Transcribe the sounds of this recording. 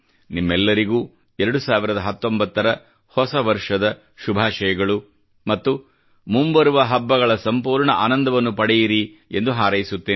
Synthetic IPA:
nimːɛlːɐɾiɡuː | ɛɾɐɽusaːʋiɾɐd̪ɐɦɐt̪ːo̞mbɐt̪ːɐɾɐ | hɔsɐʋɐɾʂɐd̪ɐ | ʃubʱaːʃɐjɐɡɐɭu | mɐt̪ːu | mumbɐɾuʋɐɦɐbːɐɡɐɭɐsɐmpuːɾɳɐʔa̰ːnɐnd̪ɐʋɐnːupɐɽɛjiɾie̞nd̪uɦaːɾɐjisut̪ːeː

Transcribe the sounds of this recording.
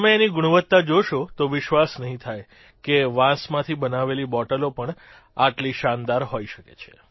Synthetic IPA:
əmẽːniɡʊɽ̃ʋət̪ːad͡ʒoʃot̪oʋɪʃʋasnəɦĩt̪ʰaj | keʋãsmãt̪ʰibənaʋelibɔʈəlopəɳ | aʈliʃand̪aɾɦoiʃəkḛt͡ʃʰe̥

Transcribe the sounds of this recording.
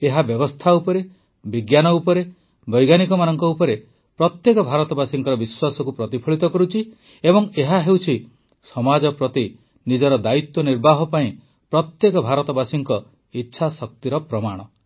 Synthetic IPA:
eɦabjɔbɔst̪ʰaupɔɾe | biɡjanɔupɔɾe | bɔjɡanikɔmanɔŋkɔupɔɾe | pɾɔt̪jekɔbʱaɾɔt̪ɔbasiŋkɔɾɔbiswasɔkupɾɔt̪ipʰɔɭit̪ɔkɔɾut͡ʃʰi | ebɔŋeɦaɦewt͡ʃʰi | sɔmad͡ʒɔpɾɔt̪i | nid͡ʒɔɾɔd̪ait̪wɔniɾbʱaɦɔpaĩ | pɾɔt̪jekɔbʱaɾɔt̪ɔbasiŋkɔ | itːʃʰasɔk̚t̪iɾɔpɾɔmaɽ̃ɔ

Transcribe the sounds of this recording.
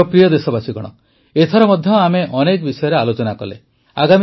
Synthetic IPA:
ɔpɾijɔd̪esɔbasiɡɔ̰ɽ̃ɔ̰ | et̪ʰɔɾɔmɔd̪ʱjɔameʔɔnekɔbisɔjɔɾealot͡ʃɔnakɔlḛ | aɡami

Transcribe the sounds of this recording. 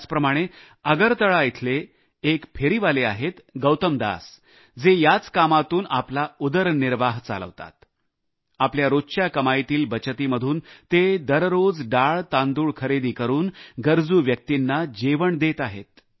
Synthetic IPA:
t͡spɾəmaɽ̃e | əɡəɾt̪əɭait̪ʰleː | kpʰeɾiʋaleaɦet̪ɡəwt̪əmd̪a̰s | d͡zejat͡skamat̪uːnaplaud̪əɾniɾʋaɦt͡sa̰lə̰ʋt̪a̰t̪̚ | apljaɾoɕjakəmajt̪iːlbət͡ɕət̪iːməd̪ʱuːnt̪ed̪əɾɾod͡zɖaɭt̪ãnd̪uːɭkʰəɾed̪iːkəɾuːnɡəɾd͡zuːʋjək̚t̪inːad͡ʑeʋəɳd̪et̪aɦḛt̪̚

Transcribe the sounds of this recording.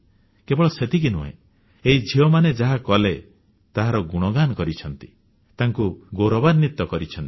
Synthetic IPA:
kebɔɭɔset̪ik̬inuɦḛ̃ | eɦid͡ʒʱiɔmaned͡ʒaɦakɔle | t̪aɦaɾɔɡuɽ̃ɔɡanɔkɔɾit͡ʃʰɔnt̪i̥ | t̪aŋkuɡoɾɔbaɾnit̪ːɔkɔɾit͡ʃʰɔnt̪i

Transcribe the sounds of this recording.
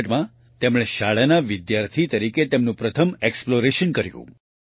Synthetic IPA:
ʈmã | t̪emɭ̃eʃaɭanaʋɪd̪jaɾt̪ʰit̪əɾiket̪emnũpɾət̪ʰəmeksploɾeʃənkəɾjṵ̃

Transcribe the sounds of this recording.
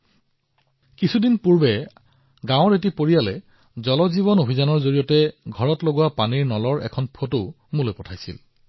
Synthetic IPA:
kisʰudinpuɹbɛ | ɡãʊɹet̬ipoɹijalɛ | zɔlɔziβɔnobʱizanɔɹzoɹijɔtɛɡʱɔɹɔtloɡuwapaniɹnɔlɔɹɛ̰kʰɔnpʰoto | mulɔjpɔtʰajsḭl

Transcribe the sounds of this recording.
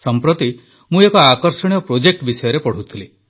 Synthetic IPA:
sɔmpɾot̪i | mũekɔakɔɾsɔɽ̃ijɔpɾod͡ʒek̚ʈbisɔjɔɾepɔɽ̤ut̪ʰili

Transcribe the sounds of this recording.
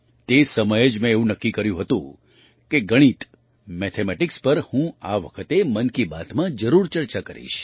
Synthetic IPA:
t̪esəməjed͡ʒmẽeũnəkːikəɾjũɦət̪ṵ̃ | keɡəɽ̃it̪ | mɛt̪ʰemɛʈɪkspəɾhũaʋəkʰət̪emənkibat̪ʰmãd͡ʒəɾuɾt͡ʃəɾt͡ʃakəɾḭʃ

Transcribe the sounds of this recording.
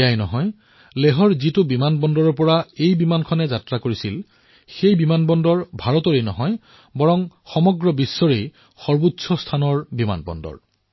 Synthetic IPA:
jajnɔɦɔj | leɦɔɹzitʊbimanbɔndɔɹɔɹpɔɹaejbimankʰɔnɛzatɹakoɹisil | xejbimanbɔndɔɹbʱaɹɔtɔɹejnɔɦɔj | bɔɹɔŋxɔmɔɡɹɔbisːɔɹej | xɔɹbutsʰɔstʰanɔɹbima̰nbɔ̰ndɔ̰ɹ

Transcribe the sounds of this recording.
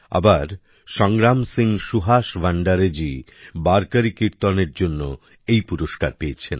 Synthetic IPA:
a̰baɾ | ʃɔŋɾamsiŋʃuɦaʃbʱaɳɖaɾed͡ʑi | baɾkaɾikiɾt̪ɔneɾd͡ʑonːo | ejpuɾoʃkaɾpeet͡ɕʰen

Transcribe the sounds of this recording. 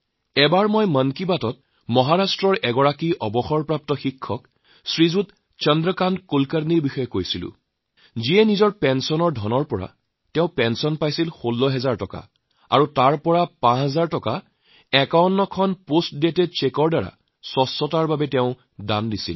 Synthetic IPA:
ɛbaɹmɔjmənkibatɔt̚ | mɔɦaɹastɹɔɹɛɡɔɹakiʔɔbɔxɔɹpɹap̚tɔxikʰːɔk | sɹizut | t͡ʃɔndɹɔkandkolkaɾniɹbixɔjɔkojsilʊ̰̃ | ziɛnizɔɹpɛnsɔnɔɹdʱɔnɔɹpɔɹa̰ | tɛʊ̃pɛnsɔnpajsilxolːɔɦɛzaɹtɔka̰ | a̰ɹutaɹpɔɹapãɦɛzaɹtɔka | ɛkawntɔkʰɔnpostdetɛt͡ʃekɔɹdaɹa̰ | sɔsːɔtaɹbabɛtɛʊ̃ | dandisḭl

